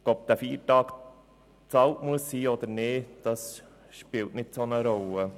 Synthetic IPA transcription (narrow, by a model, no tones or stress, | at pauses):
ɔp̚d̥̪æfiːtɑːk | t͡sɑltmuəsːiːɔd̥̪əɾneːd̥ɑs | ʃpɪltnɪtsonəɾɔlə